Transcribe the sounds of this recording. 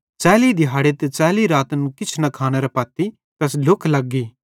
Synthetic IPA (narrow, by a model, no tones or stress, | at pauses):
t͡ʃɛːlid̪ɪɦaːɽet̪et͡ʃɛːliɾaːt̪ənkɪt͡ʃʰnɐkʰaːñɛɾɐpɐːt̪i | t̪ɛslʊkʰlɐɡːiː